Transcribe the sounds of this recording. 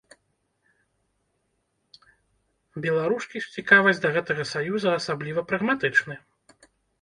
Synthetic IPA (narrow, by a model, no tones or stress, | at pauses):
bʲɛlˠaɾuskʲisʲt͡sʲikavɐsʲd̪ɐɣɛt̪ɐɣɐsajuzɐɐsablʲivɐpɾɐɣmat̪ɨt͡ʂnɨ